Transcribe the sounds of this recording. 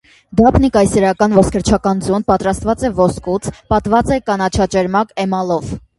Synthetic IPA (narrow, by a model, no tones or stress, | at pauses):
d̪ɑpʰnikɑjsɛɾɑkɑnvɔskʰəɾt͡ʃʰɑkɑnd͡zun̚pɑt̪ɾɑst̪vɑt͡sɛvɔskut͡sʰpɑt̪vɑt͡sɛkɑnɑt͡ʃʰɑt͡ʃɛɾmɑkɛmɑlɔv